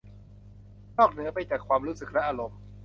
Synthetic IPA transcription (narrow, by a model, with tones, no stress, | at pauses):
nɔː˥˩k̚nɯ˨˦ɐpa˧jt͡ɕaː˨˩kʰːwaː˧mɾuː˦˥sɯ˨˩k̚lɛ˦˥ʔaː˧ɾo˨˩˦m